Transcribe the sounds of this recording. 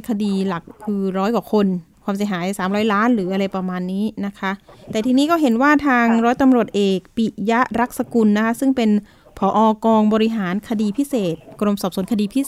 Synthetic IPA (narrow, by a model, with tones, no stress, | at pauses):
kʰa˧diː˧la˨˩k̚kʰːɯː˧ɾɔː˦˥jkwaː˨˩kʰo˧nkʰwaː˧ms̬i˩˦ɦaː˩˦jsaː˩˦mɾɔː˦˥jlaː˦˥nɾɯː˩˦ʔa˧ɾa˧jpa˧maː˧nːiː˦˥na˦˥kʰa˦˥ʔt̪ɛː˨˩t̪ʰiː˧niː˦˥kɔː˥˩ɦe˩˦nwaː˥˩t̪ʰaː˧ŋɾɔː˦˥jt̪a˧mɾu˨˩ət̪̚ʔeː˨˩k̚pi˨˩ja˦˥ʔɾa˦˥k̚sa˧ku˧nːa˦˥kʰa˦˥sɯ˥˩ŋpe˧n | pʰɔː˩˦ʔɔː˧kɔː˧ŋbɔː˧ɾi˦˥ɦaː˩˦nkʰa˧diː˧pʰi˦˥seː˨˩t̪̚kɾo˧msɔː˨˩p̚su˨˩˦nŋkʰa˧diː˧pʰi˦˥